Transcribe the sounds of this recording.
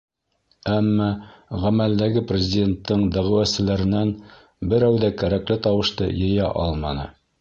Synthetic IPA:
æmːɑʁæmæld̪æɡɘprʲɪzʲɪdʲe̞nt̪ːɤɴd̪æʁɘ̆wæsɘ̆læɾɘ̆næn | bɘ̆ɾæwðækæɾæklɘt̪ɑwɤ̆ʃt̪ɤ̰jɤ̆jɑʔɑlˠmɑnɤ̰

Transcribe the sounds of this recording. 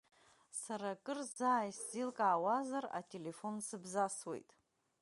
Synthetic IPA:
saɾakʼɨrzaːjszilkʼaːwazara̰tʼe̞le̞fo̞nsɨbzaswe̞̰jtʼ

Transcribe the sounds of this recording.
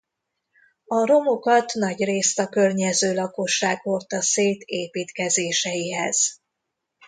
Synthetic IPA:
ɒɾo̞mokɒt̪nɒɟreːst̪ɒkørɲɛzøːlɒkoʃːaːɡʋo̞lt̪ɒseːt̪eːpiːt̪kɛzeːʃɛjiɦɛz̥

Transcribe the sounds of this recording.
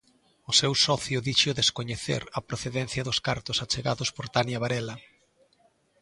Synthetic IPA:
ʊsewsɔθjʊðiʃʊðeskoɲeθḛɾɐpɾoθeðɛn̟θjɐðʊskaɾt̪ʊsat͡ʃeɣaðʊspoɾt̪anjɐβaɾɛlɐ

